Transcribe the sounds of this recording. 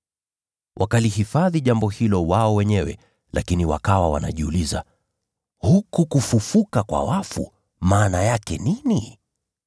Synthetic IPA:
wʔakalihifaðiʄambɔhilɔwaɔwɛɲɛwɛ̰ | lʔakiniwa̰kawawa̰na̰ʄiuliza̰ | hukukufufukakwa̰wafṵ | maːnajakɛnini

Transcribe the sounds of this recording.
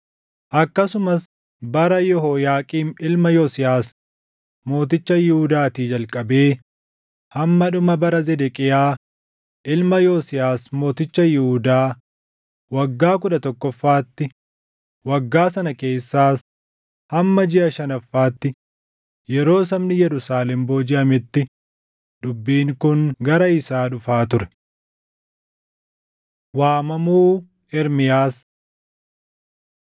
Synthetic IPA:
ʔɐkːɐsʊmɐs | bɐɾɐjɔɦoːjaːkʼiːmɪlmɐjɔsɪjaːs | mo̞ːt̪ɪt͡ʃːɐjɪhʊd̪aːt̪iːd͡ʒɐlkʼɐbeː | hɐmːɐᶑʊmɐbɐɾɐzɛd̪ɛkʼɪjaː | ʔɪlmɐjoːsɪjaːsmo̞ːt̪ɪt͡ʃːɐjɪhʊd̪aː | wɐɡːaːk̬ʊᶑɐt̪ɔkːɔfːaːt̪ːɪ | wɐɡːaːsɐnɐke̞ːsːaːs | hɐmːɐd͡ʒɪʔɐʃɐnɐfːaːt̪ːɪ | jɛɾo̞ːs̬ɐmnɪjɛɾʊsaːlɛmbo̞ːd͡ʒɪʔɐmɪt̪ːɪ | d̪ʊbːiːŋkʊŋɡɐɾɐɪsaːɗʊfaːt̪ʊɾɛ̥ | waːmɐmuː | ɛɾmɪjaːs

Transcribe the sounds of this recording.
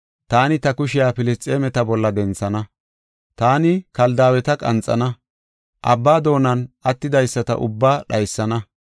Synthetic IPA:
t̪aːnɪt̪ɐkʊʃɪjaːfɪlɪst͡sʼːeːmɛt̪ɐbɔlːɐd̪ɛnt͡sːɐnɐ | t̪aːnɪkɐld̪aːwɛt̪ɐkʼɐ̰nt͡sʼːɐ̰nɐ | ʔɐbːaːd̪o̞ːnɐnʔɐt̪ːɪd̪ɐjsːɐt̪ɐ̰ʔʊ̰bːaːɗɐjsːɐnɐ

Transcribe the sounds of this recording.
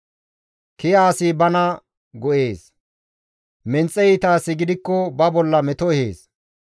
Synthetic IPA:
kɪjaːsiːbɐnɐ | ɡɔʔe̞ːs | mɛnt͡sʼːɛjit̪aːsɪɡɪd̪ɪkːɔbɐbɔlːɐmɛt̪ɔɛheːs

